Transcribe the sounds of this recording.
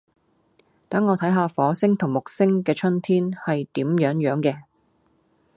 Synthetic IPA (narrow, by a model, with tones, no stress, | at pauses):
t̪ɐ˨˥ŋːɔː˨˧t̪ʰɐ˨˥jɦaː˧fɔː˨˧˥sɪ˥ŋt̪ʰʊ˨˩ŋmʊ˨˩k̚sɪ˥ŋkɛː˧t͡ʃʰɵ˥nt̪ʰiː˥nhɐ˨jt̪iː˨˥mjœː˨˥ŋjœː˨˥ŋkɛː˧